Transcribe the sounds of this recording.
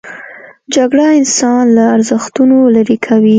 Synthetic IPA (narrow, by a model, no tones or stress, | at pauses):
d͡ʒaɡɽaɪnsɑnlaːɾzəxt̪unolaɾikʰawi